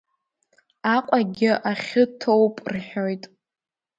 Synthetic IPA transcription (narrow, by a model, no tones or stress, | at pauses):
aqʷʼaɡʲɪʔaχʲɪtʰowpʼrħʲᶣojtʼ